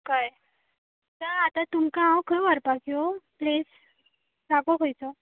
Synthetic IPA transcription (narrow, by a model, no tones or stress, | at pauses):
kaj | taat̪at̪umkãɦãwkʰəʋəɾpakioples | ɾakoɦojt͡sɔ